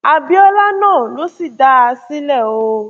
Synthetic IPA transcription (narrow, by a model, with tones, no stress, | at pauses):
a˨bi˦ɔ˧la˦nãː˦˨lo˨˦si˦˨da˧a˧sĩ˦lɛ˦˨o˧